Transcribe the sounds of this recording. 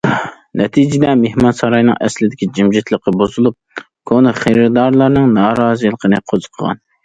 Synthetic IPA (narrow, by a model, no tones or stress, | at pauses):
nʔɛt̪ʰid͡ʒɪd̪ɛmehmɑnsɑɾɑjnɨ̰ŋʔɛ̰slɪd̪ɪkʲid͡ʒimʒɪt̪lˠəqːəbozulˠup̚ | kʰonɨχeɾɨd̪ɑɾlˠɑɾnɨŋnɑːɾɑːzɨlˠəqʰənɨqʰozə̥qʰəʁɑ̰n